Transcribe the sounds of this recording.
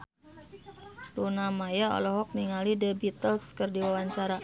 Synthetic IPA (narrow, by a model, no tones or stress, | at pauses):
lunamajaɔ̰lɔɦɔk̚niŋalidebit̪əlskərdiwawaɲt͡ʃaɾa